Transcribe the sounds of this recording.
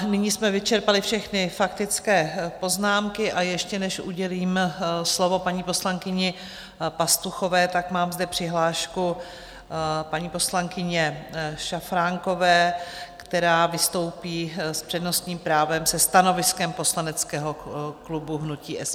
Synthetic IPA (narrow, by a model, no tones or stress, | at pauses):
nɪɲismɛvɪt͡ʃɛɾpalɪfʃɛxnɪfak̚t̪ɪt͡skɛːpo̞znaːmkɪʔajɛʃcɛnɛʃʔṵɟɛliːmslo̞vo̞paɲiːpo̞slaŋkɪɲɪ | past̪uxo̞vɛːt̪akmaːmzdɛpr̥ɪɦlaːʃku | paɲiːpo̞slaŋkɪɲɛʃafɾaŋko̞vɛːkt̪ɛɾaːvɪst̪o̞wpiːspr̥ɛdno̞st̪ɲiːmpɾaːvɛmsɛst̪ano̞vɪskɛmpo̞slanɛt͡skɛːɦo̞klubuɦnuciːʔɛs